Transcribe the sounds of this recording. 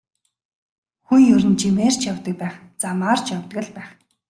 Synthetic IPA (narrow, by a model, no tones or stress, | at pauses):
xunɵɾɘ̆nt͡ɕimeːr̥t͡ɕʰjawt̪ə̆k̚pæːχ | t͡samaːr̥t͡ɕjawt̪ɡə̆ɮpæːχ